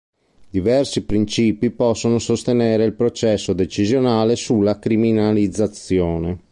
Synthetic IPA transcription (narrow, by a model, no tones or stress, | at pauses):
d̪ivɛrsipɾint͡ʃiːpipɔsːonosost̪enɛːɾeilpɾot͡ʃɛsːod̪et͡ʃizjonaːlesulːakɾiminalid̪zːat̪sːjɔːne